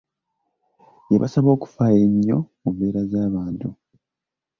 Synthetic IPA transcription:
jeβa̰saβo̞ːku̥faːje̞ɲːo̞̰mumbe̞ːɾazaːβaːntu

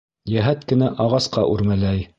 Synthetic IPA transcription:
jæɦæt̪kɘ̆næʔɑʁɑsqɑʔʉɾmælæj

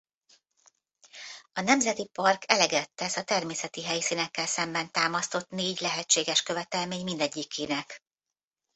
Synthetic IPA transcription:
ɒnɛmzɛt̪ipɒrkʰɛlɛɡɛt̪ːɛsɒt̪ɛrmeːsɛt̪iɦɛjsinɛkːɛlsɛmbɛnt̪aːmɒst̪o̞t̪neːɟlɛɦɛt͡ʃːeːɡɛʃkø̞vɛt̪ɛlmeːɲmind̪ɛɟːikʰːiːnɛk

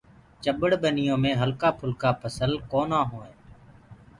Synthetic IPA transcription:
t͡ʃəɓəɽɓənɪjõːmẽːɦəlkaːpʰʊlkaːpʰəsəlkoːnãːɦoːẽː

